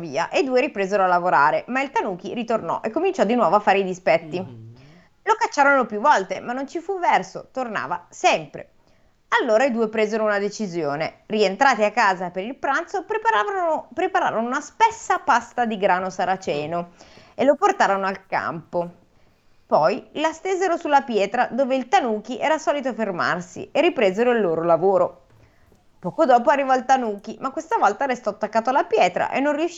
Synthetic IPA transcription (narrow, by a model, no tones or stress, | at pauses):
viːa̰ʔeid̪uːeɾipɾeːzeɾoalːavoɾaːɾemailt̪anuːk̟ḭɾit̪ornɔ̰ʔekːomint͡ʃɔd̪ːinwɔːvoafːaːɾeid̪ispɛt̪ːi | lokat͡ʃːaːɾonopjuvːɔlt̪emanːont͡ʃifuvɛrso̰t̪orna̰ːva̰sɛmpɾḛ | alːoːɾaid̪uːepɾeːzeɾounad̪et͡ʃizjoːnerient̪ɾaːt̪iakːaːzapeɾilpɾant̪sopɾe | pɾepaɾa̰ːɾonounaspesːapast̪ad̪iɡɾaːnosaɾat͡ʃɛːnoeloport̪aːɾonoalka̰mpo | pɔjlast̪eːzeɾosulːapjɛːt̪ɾad̪oːveilt̪anuːk̟iʔɛːɾasɔːlit̪̬oaferma̰rsḭeripɾeːzeɾoilːoːɾolavoːɾo | pɔːkod̪ɔːpoarːivalt̪anuːk̟imakːwest̪avɔlt̪aɾest̪ɔt̪ːakːaːt̪oalapjɛːt̪ɾa̰ʔḛnːonriuʃ